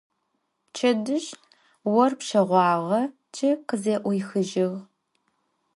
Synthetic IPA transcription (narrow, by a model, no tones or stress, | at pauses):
t͡ʃʰɐdɨʃ | wɔrpʃɐʁʷɑːʁɐ | t͡ʃʰɪqəzeːʔʷɔjxɨʒɪʁ